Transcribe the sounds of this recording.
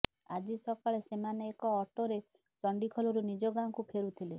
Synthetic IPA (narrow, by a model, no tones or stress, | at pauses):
ad͡ʒisɔkaɭesemaneːkɔːʈoɾe | t͡ʃɔɳɖikʰɔlɔɾunid͡ʒɔɡaŋɔkupʰeɾut̪ʰile